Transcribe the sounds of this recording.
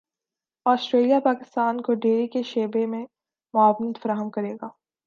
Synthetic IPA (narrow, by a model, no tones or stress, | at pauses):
ɔːsʈɾeːlijapaːkɪst̪aːnkoɖeːɾikeʃeːbemẽ | mʊaːʋənət̪fɐɾaːɦəmkɐɾeːɡaː